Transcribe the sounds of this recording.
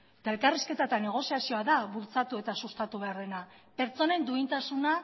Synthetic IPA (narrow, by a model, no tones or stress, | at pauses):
et̪ae̞lkariske̞t̪at̪ane̞ɣ̞o̞siasio̞aðaβult͡sat̪ue̞t̪asust̪at̪uβ̞e̞aɾðe̞nape̞ɾt͡so̞ne̞nd̪uint̪asuna